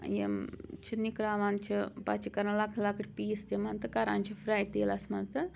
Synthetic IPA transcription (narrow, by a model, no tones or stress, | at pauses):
jḛmt͡ʃʰinikɾaːʋant͡ʃʰipɐ̰t͡ʃʰikɐɾɐnlɐkʰlɐkʰɐʈʰʲpiːst̪imɐnt̪ɨkɐɾa̰ːnt͡ʃʰifɾaːjt̪eːlɐsmɐnt̪ɨ